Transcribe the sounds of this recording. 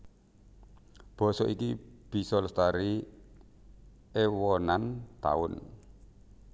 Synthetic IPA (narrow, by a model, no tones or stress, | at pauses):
b̥ɔ̤sɔʔikib̥i̤sɔlst̪aɾi | ewɔnant̪a̰ʊn